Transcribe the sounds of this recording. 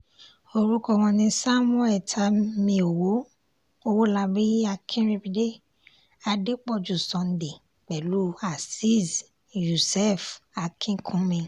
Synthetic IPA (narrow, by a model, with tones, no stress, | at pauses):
o˧ɾu˦kɔ˧˨wɔ̃˧nĩ˧sa˦m˦ɔ˦ɛ˨tʰa˧˦mĩ˧o˨wo˨˦ | o˧wo˦la˧bi˦a˧kʰĩ˦ɾi˧bi˧de˦ | a˧de˦k͡pɔ˦˨d͡ʒu˨sɔ̃˨˦n˨˦de˨ | k͡pɛ˨lu˦a˨si˦z | ju˨sɛ˦˨fa˨kʰĩ˦kʰũ˨˦mĩ˧